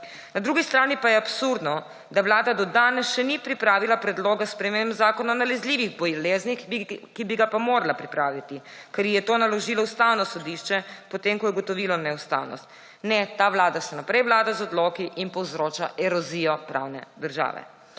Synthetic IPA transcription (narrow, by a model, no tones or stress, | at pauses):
nad̪ɾuɡist̪ɾaːnipajɛapsuɾd̪nɔ | d̪aʋlaːd̪ad̪ɔd̪aːnɛsʃɛnipɾipɾaːʋilapɾɛd̪loːɡaspɾɛmembzaːkɔnɔnalɛzliːʋiɣbɔjɛleːznixkibiɡapamoːɾalapɾipɾaːʋit̪i | kɛɾjijɛt̪oːnalɔʒiːlɔust̪awnɔsɔd̪iʃt͡ʃɛpɔt̪emkɔjɛɡɔt̪ɔʋiːlɔnɛust̪a̰ːwnɔ̰st̪ | nɛt̪aːʋlaːd̪asɛnapɾɛjʋlaːd̪azɔd̪lokiʔinpɔwzɾoːt͡ʃaʔɛɾɔzijɔpɾa̰ːwnɛ̰d̪əɾʒa̰ːʋɛ̰